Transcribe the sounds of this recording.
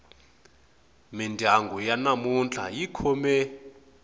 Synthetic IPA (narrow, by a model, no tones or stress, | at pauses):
mindʱaŋɡʱujanamunt͡ɬʼa̰jikʰɔmɛ